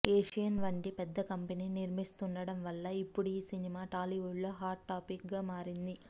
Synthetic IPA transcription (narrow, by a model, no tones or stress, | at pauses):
eːʂijɐnʋɐɳʈipɛd̪ːɐkɐmpeniːniɾmist̪unɖɐɽɐmʋɐlːɐipːuɽuiːsinimaːʈaːliʋuɖlo̞ːɦaːɾʈːaːpikɡaːmaːɾind̪i